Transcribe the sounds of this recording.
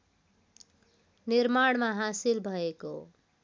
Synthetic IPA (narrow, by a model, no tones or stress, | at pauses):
niɾmaɽmaɦasilbʱʌeko̰